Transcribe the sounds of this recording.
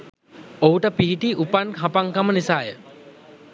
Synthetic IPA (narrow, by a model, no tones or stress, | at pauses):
oɦuʈəpiɦiʈiʔupanɦapaŋkamənisaːjə